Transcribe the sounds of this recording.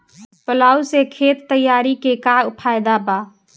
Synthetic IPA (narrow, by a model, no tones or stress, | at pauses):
pəlaːusekʰeːt̪ːəjːaːɾikekaʊpʰaːɪd̪apaː